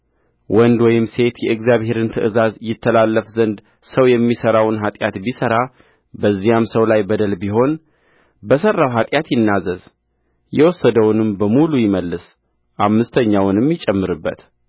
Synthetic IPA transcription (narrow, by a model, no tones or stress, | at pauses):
wɔnd̪wɔjɪmse̞t̪jɛɨɡzijaβhe̞ɾɨnt̪ʰəʔɨzazjɪt̪ʰːəlalːəfzənd̪ | səwjɛmːisəɾawnɦat̪ʼjat̪bisəɾa | bəzːijamsəwlajbəd̪əlbiɦo̞n | bəsərːawɦat̪ʼjat̪jɪnːazəz | jɛwɔsːəd̪əwʊnɨmbəmulujɪməlːɨs | ʔamːɨst̪ʰəɲːawnɨmjɪt͡ʃʼːɛmːɨɾɨbːə̰t̪